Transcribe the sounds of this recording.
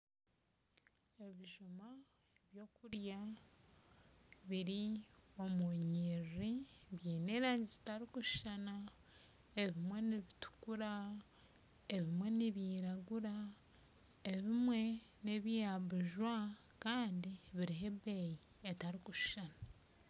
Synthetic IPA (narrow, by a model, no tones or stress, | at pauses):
e̞βiʒuma | eβjo̞ːkuɾja | βiɾio̞muɲiɾiβjiːneːɾaːɲɟizi̥taɾikuʃu̥ʃana | eβimwe̞niβitu̥kuɾa | eβimwe̞niβjiːɾaɡuɾa | eβimwe̞neβijaβuʒwakaːndiβiɾiɦe̞bejietaɾikuʃu̥ʃana